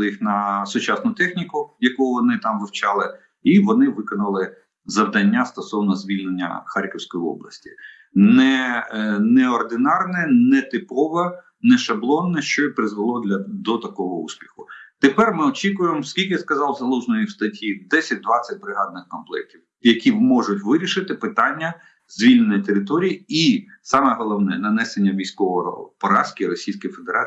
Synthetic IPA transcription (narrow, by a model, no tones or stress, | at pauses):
jixnɐsʊt͡ʃɑsnʊt̪ɛxnʲikʊjɐkuʊʋɔnɪt̪ɑmʋɪwt͡ʃɑlˠɪ | iʋɔnɪʋɪkɔnɐlˠɪ | zɐwd̪ɐnʲːast̪ɔsɔwnɔzʲʋʲilʲnenʲːɐ̰xɑrʲkɪwsʲkɔjiɔ̰blˠɐ̰sʲtʲi̥ | nɛ | nɛɔrd̪ɪnɑrnɛnɛt̪ɪpɔʋɐ | nɛʃɐblˠɔnːɛʃt͡ʃɔipɾɪzʋɪlˠɔd̪lʲɐd̪ɔt̪ɐkɔɦɔṵsʲpʲi̥xʊt̪epɛrmɪɔt͡ʃʲikʊjemskʲilʲkʲɪjaskɐzɑwzɐlˠuʒnɔjiwst̪ɐtʲid̪ɛsʲɐt̚ʲd̪ʋɑt͡sʲːɐt̚ʲbɾɪɦɑd̪̚nɪxkɔnplˠɛ̰k̚tʲiw | jɐkʲimɔʒʊtʲʋɪɾʲiʃɪt̪ɪpɪt̪ɑnʲːɐ | z̥ʲʋʲilʲnnɔjit̪eɾɪt̪ɔɾʲijii | sɑmɛɦɔlˠɔwnɛnɐnɛsenʲːɐʋʲijsʲkɔʋɔ̰pɔɾɑskʲiɾɔsʲijsʲkɪjfed̪eɾɑ